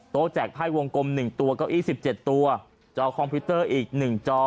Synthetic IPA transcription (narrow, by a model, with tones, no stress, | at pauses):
t̪oː˦˥t͡ɕɛː˨˩k̚t̪ʰaː˥˩jwo˧ŋko˧mnɯ˨˩ŋt̪u˧ɐkɔː˥˩ʔiː˥˩si˨˩p̚t͡ɕe˨˩t̪ːu˧ɐ | t͡ɕɔː˧˥kʰɔ˧mpʰi˦˥t̪ɤː˥˩ʔiː˨˩k̚nɯ˨˩ŋt͡ɕɔː˧˥